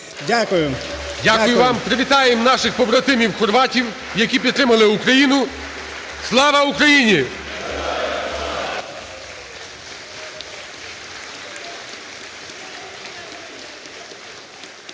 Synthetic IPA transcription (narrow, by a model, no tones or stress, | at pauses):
dʲkj | dʲakʊjʊʋɑmpɾɪʋʲit̪ɑjemnɑʃɪxpɔbɾɔt̪ɪmʲiwxɔrʋɑtʲiw | jɐkʲipʲid̪t̪ɾɪmɐlˠɪukɾɐjinʊ | slˠɑʋɐukɾɐjinʲi